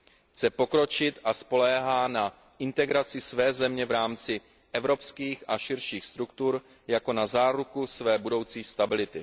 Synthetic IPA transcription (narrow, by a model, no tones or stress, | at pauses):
xt͡sɛpo̞kɾo̞t͡ʃɪt̪ʔaspo̞lɛːɦaːna | ʔɪnt̪ɛɡɾat͡sɪsvɛːzɛmɲɛvɾaːmt͡sɪ | ʔɛvɾo̞pskiːxʔaʃɪɾʃiːxst̪ɾukt̪uɾ | jako̞nazaːɾukusvɛːbudo̞wt͡siːst̪abɪlɪt̪ɪ